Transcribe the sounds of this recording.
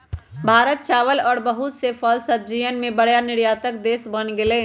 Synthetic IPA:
bʱaːɾət̪̚t͡ʃaːʋəlɔːɾbəɦʊt̪sefʰɔːlsəb̚d͡ʒiənmẽbəɽjanɪɾjaːt̪ək̚d̪eːsbənɡeleː

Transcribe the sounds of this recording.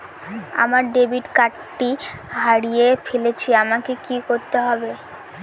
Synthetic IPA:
a̰maɾɖebiʈkaʈːiɦaɽijefelet͡ɕʰiamakekikoɾt̪eɦɔbe

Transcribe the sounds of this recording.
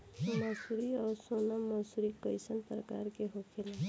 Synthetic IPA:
məsuɾiɔːɾsonaməsuɾikəɪsənpɾəkaɾkeɦokʰele

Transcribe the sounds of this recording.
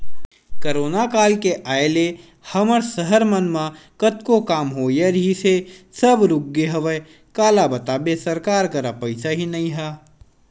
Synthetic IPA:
kəɾoːnakaːlkeʔaːele | həməɾsəɦəɾmənmãkət̪kokaːmɦoːjeɾɦisesəbɾʊɡːeɦəʋə | kaːlabət̪aːbesəɾkaːɾkəɾapəɪsaɦinɐɦĩɦɛː

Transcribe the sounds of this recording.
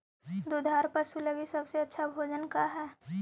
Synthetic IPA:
d̪od̪ʱaːɾpəsuləɡisɐbseɐtːʃʰabʱoːd͡ʒənkaɦɛː

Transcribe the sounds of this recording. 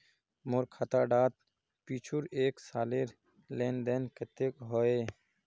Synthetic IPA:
mʊɾkʰat̪aɖaːt̪̚ | piːt͡ʃʰuɾeːksaːleɾ | leːnd̪enket̪ekɦoe

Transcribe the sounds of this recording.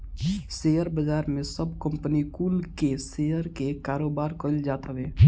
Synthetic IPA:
seːjəɾbəd͡ʒaːɾmẽsəbkə̃mpnikuːlkesejəɾkekaːɾoːbaːɾkəld͡ʒaːt̪ɦəʋeː

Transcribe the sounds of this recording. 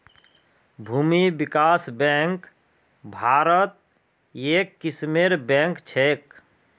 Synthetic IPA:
bʱuːmibikaːsbɛ̃ŋk | bʱaːɾət̪̚ | eːkːismeɾbɛ̃ŋkt͡ʃʰek

